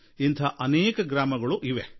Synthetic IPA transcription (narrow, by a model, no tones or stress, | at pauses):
int̪ʰɐʔɐneːkɐɡɾaːmɐɡɐɭuʔiʋe